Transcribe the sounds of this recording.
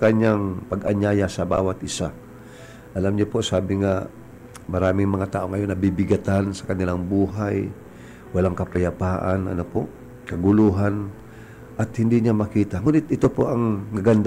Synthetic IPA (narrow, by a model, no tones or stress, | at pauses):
kɐɲaŋpɐɡʔɐɲaːjasɐba̰ːwɐt̪ʔɪsa | ʔɐlamɲopo̞saːbɪŋa | mɐɾaːmɪŋmɐŋat̪aːʔoŋːɐjo̞nːɐbibɪɡɐt̪ansɐ̥kɐnɪlaŋbuːɦaj | wɐlaŋkɐpɐjɐpaːʔa̰nʔɐ̰nopo̰ʔ | kɐɡʊluːɦan | ʔɐt̪̚hɪnd̪iɲamɐkiːt̪aŋuːnɪt̪ʔɪt̪o̞po̞ʔɐŋnɐɡɐnd̪